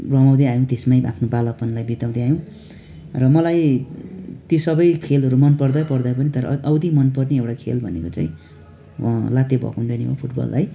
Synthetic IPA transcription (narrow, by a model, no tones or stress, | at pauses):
rʌmaw̃d̪eajõt̪esmaja̰pʰnobalʌpʌnlajbit̪aw̃d̪eajõ | rʌmʌlaj | t̪josʌbʌjkʰelɦʌɾumʌnpʌrd̪ajpʌrd̪ajpʌnit̪ʌɾʌ̰ʔʌwd̪imʌnpʌrneewʈakʰḛlbʱʌnekot͡saj̃ | lat̪ebʱʌ̰kunɖʌniɦo̰pʰuʈbʌ̰lːaj